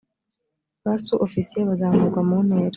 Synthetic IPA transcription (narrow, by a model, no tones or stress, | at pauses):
βasuʔofisijeβazaːmuɡwamuneːɾ